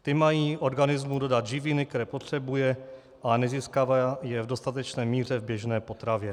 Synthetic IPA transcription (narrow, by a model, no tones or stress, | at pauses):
t̪ɪmajiːʔo̞ɾɡanɪzmudo̞dad̪ʒɪvinɪk̚t̪ɛɾɛːpot̪r̝̥ɛbujɛ | ʔanɛziːskavajɛvdo̞st̪at̪ɛt͡ʃnɛːmiːr̝ɛvbjɛʒnɛːpo̞t̪ɾavjɛ